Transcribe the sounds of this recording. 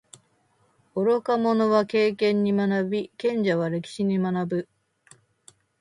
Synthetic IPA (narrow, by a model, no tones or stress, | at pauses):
o̞ɾo̞kamo̞no̞βake̞ːkẽ̞ɲ̟ːimanabʲikẽ̞ɲ̟d͡ʑaβaɾe̞kʲi̥ɕiɲ̟imanabɯ̟